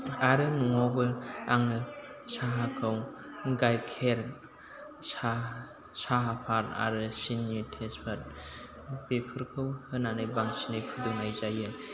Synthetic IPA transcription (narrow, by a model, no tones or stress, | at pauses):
aɾɯnuŋawbɯaŋɯsaɦakʰɯwɡajkʰeɾ | a | saɦapʰaɾa̰ɾɯsinitʰespʰat̚ | pepʰɯɾkʰɯwhɯnanajbaŋsinajkʰɯdɯŋajzajɯ